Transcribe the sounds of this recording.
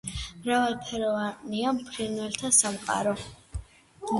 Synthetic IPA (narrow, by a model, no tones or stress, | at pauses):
mɾavalpʰɛɾɔvaniampʰɾinwɛlt̪ʰasamqʼa̰ɾɔ